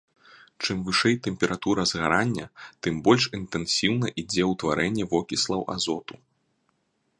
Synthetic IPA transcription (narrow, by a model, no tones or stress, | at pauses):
t͡ʂɨmvɨʂɛjt̪ɛmʲpʲɛɾat̪uɾɐzɣaɾanʲːɐt̪ɨmbɔlʲʂint̪ɛnsʲiwnɐʔid͡zʲɛwt̪vaɾɛnʲːɛvɔkʲislˠɐwʔa̰zɔt̪u